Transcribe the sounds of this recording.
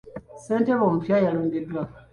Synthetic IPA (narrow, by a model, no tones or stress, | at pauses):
seːnteβoːmupjajaloːɲɡedwa